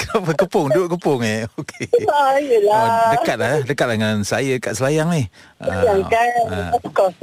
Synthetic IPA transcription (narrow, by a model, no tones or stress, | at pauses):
kapəkəpʊŋduʔkəpʊŋeokeajəladəkat̪̚ladəkat̪̚laŋansajədəkat̪̚səlajaŋnɪh | ʔa̰jaŋkakɔ